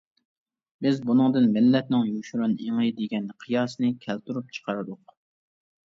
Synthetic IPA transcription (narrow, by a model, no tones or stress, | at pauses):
bɪzbunɨŋd̪ɨnmɪlːɛt̪̚nɪŋjuʃɾuneŋɨd̪eɡʲɛnqʰɨjɑːsnɨkʲʰɛlt̪ʰuɾup̚t͡ʃʰə̥qɑɾɨd̪ʊq